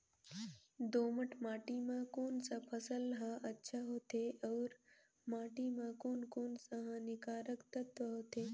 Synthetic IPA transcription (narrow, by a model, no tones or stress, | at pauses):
d̪oːməʈʰmaːʈimãkoːnsapʰəsəlɦãʔɐtːʃʰaɦoːt̪eɐːɾ | maːʈimãkoːnkoːnsaɦãnɪkaːɾəkt̪ət̪ʋəɦoːt̪eː